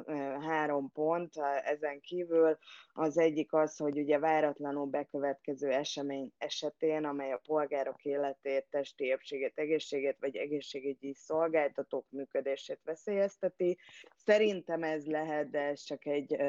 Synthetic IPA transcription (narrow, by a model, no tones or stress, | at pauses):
ɦaːɾo̞mpo̞nt̪ɛzɛŋkiːvylɒzɛɟːikɒsho̞ɟuɟɛvaːɾɒt̪lɒnulbɛkøvɛt̪kɛzøːɛʃɛmeːɲɛʃɛt̪eːnɒmɛjɒpo̞lɡaːɾo̞keːlɛt̪eːt̪ːɛʃt̪iepʃeːɡeːt̪ɛɡeːʃːeːɡeːt̪ʋɒɟɛ̰ɡeːʃːeːɡyɟiso̞lɡaːlt̪ɒt̪oːkmyːkød̪eːʃeːt̪ʋɛseːjɛst̪ɛt̪isɛɾint̪ɛmɛzlɛɦɛt̪̚d̪ɛɛst͡ʃɒkɛɟ